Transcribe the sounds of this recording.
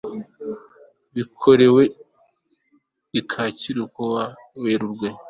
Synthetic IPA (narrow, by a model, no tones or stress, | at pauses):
βikʰo̞ɾe̞we̞ | ikʰaːciɾukowa | weɾuɾɡwe